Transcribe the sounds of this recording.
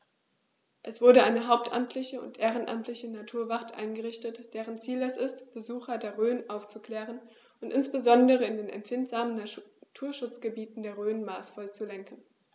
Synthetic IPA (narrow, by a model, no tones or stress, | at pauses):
ʔɛsv̥ʊɐɾəʔaɪnəɦaʊp̚tʔa̰mtʰlɪçəʊ̰ntʔeːʁ̞ənʔa̰mtʰlɪçənatʰuːɐvaχtʔa̰ɪnɡəʁɪçtətd̥eːʁ̞ənt͡siːlɛsɪstb̥əzuːxɐdeːɐʁøːənʔaʊft͡sukl̥ɛːʁ̞ən | ʔʊntʔɪnsb̥əzɔndəʁəɪndeːnɛ̰mpfɪntz̥aːmənːatʰuːɐʃʊt͡sɡ̥əbiːtn̩deːɐʁøːnmaːsfɔlt͡sulɛŋkn̩